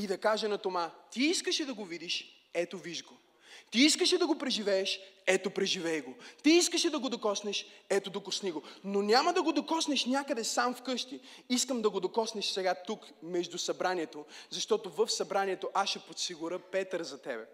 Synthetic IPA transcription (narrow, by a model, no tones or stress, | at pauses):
id̪ɐkaʒɛnɐt̪omat̪iiskəʃɛd̪ɐɡovid̪iʃ | ɛt̪oviʒɡo | t̪iiskəʃɛd̪ɐɡopɾɛʒivɛɛʃɛt̪opɾɛʒivɛjɡot̪iiskəʃɛd̪ɐɡod̪okɔsnɛʃɛt̪od̪okosniɡononʲamɐd̪ɐɡod̪okɔsnɛʃnʲjakəd̪ɛsamfkɤʃt̪iiskəmd̪ɐɡod̪okɔsnɛʃsɛɡat̪uk | mɛʒd̪usɐbɾaniɛt̪ozɐʃt̪ɔt̪ovəfsɐbɾaniɛt̪oʔaʃɛpot̪siɡuɾəpɛt̪əɾzɐt̪ɛbɛ̰